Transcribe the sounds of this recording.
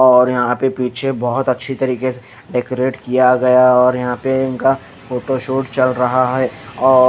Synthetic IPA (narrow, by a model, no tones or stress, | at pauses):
ɔːɾjɐɦãpepiːt͡ʃʰebɔɦʊt̪ɐtːʃʰit̪ɐɾiːkese | ɖeːkoɾeːʈkijaɡɐjaɔːɾjɐɦãpeɪnka | foːʈoʃoːʈt͡ʃɐlɾɐɦaɦɛːɔː